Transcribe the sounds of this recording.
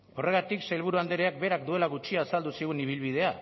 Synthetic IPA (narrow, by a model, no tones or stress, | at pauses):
ore̞ɣat̪iksailβ̞uɾuand̪eɾeak̚be̞ɾak̚d̪ue̞laɣut͡ʃiaːsald̪usiɣ̞uniβ̞ilβ̞ið̞e̞a